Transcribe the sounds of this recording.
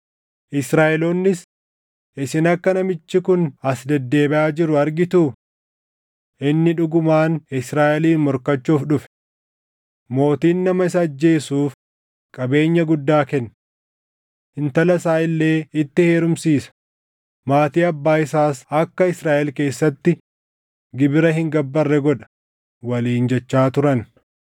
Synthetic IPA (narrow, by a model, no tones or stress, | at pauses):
ʔɪsɾaːʔɛloːnːɪs | ʔɪsɪnɐkːɐnɐmɪt͡ʃːɪkʊnɐsd̪ɛd̪ːe̞ːbɛʔaːd͡ʒɪɾʊɐɾɡɪt̪uː | ʔɪnːɪᶑʊɡʊmaːnɪsɾaːʔɛliːnmɔɾkɐt͡ʃːuːfᶑʊfɛ̥ | mo̞ːt̪iːnːɐmɐɪs̬ɐd͡ʒːe̞ːsuːf | kʼɐbe̞ːɲːɐɡʊd̪ːaːkɛnː | ɪnt̪ɐlɐsaːɪlːe̞ːɪt̪ːɪhe̞ːɾʊmsiːsɐ̥ | maːt̪iːɐbːaːɪsaːsɐkːɐɪsɾaːʔɛlke̞ːsːɐt̪ːɪ | ɡɪbɪɾɐɦɪŋɡɐbːɐrːɛɡɔᶑɐ̥ | wɐliːnd͡ʒɛt͡ʃːaːt̪ʊɾɐn